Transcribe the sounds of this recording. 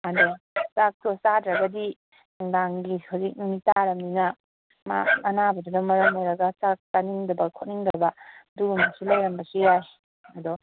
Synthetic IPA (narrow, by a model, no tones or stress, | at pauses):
ado | sak̚tosadɾɐɡɐdi | naŋdaŋɡihawzik̚numitaɾɐmninɐ | ma̰ɐnabɐdunɐmɐɾɐŋojɾɐɡɐsak̚taniŋdɐbɐkʰot̚niŋdɐbɐduɡamasilɐjɾɐmbɐsiaj | ɐdo